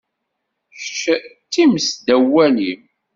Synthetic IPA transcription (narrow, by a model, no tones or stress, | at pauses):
çəʃt͡s̪ːimsd̪æwːælim